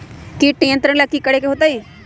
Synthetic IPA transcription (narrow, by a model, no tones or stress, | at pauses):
kiʈnijə̃nt̪ɾə̃ɽ̃lakːiːkəɽekeɦoːt̪aiː